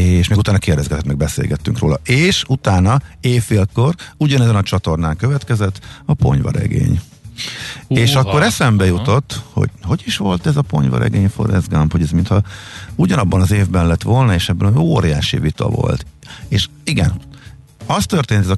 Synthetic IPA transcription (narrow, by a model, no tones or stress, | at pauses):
eːʃmeːɡut̪aːnɒkeːrd̪ɛzɡɛt̪ɛt̪mɛɡ̚bɛsḛːlɡɛt̪ːyŋkro̰ːlɒʔeːʃut̪aːnɒeːfːeːlko̞ruɟɒnɛzɛnɒt͡ʃɒt̪o̞rnaːŋkø̞vɛt̪kɛzɛt̪ːɒpo̞̰ɲvɒ̰ɾɛ̰ɡḛːɲ | eːʃɒkkːo̞ɾɛsɛmbɛjut̪o̞t̪ːho̰ɟ̥ho̞ɟiʃʋo̞lt̪ɛzɒpo̞̰ɲvɒ̰ɾɛ̰ɡeːɲfo̞̰ɾɛzɡamphoɟɛzmint̪hɒuɟɒnɒbːɒnɒzeːvbɛnlɛt̪ːʋo̞lnɒeːʃɛbːɛnoːɾijaːʃḭvit̪ɒ̰vo̞̰lt̪eːʃiɡɛ̰n | ɒst̪ørt̪eːnt̪ɛzɒ